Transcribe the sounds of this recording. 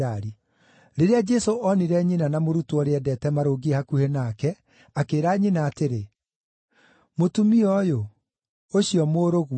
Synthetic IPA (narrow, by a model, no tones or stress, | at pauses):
aɾi | ɾeɾead͡ʒɛsoʔɔniɾɛɲinanamoɾutoɔɾeɛdɛtɛmaɾoːɡihakuhenakɛ | akeːɾaɲinaːteɾe | motumiɔjo | oɕiɔmoːɾoɣu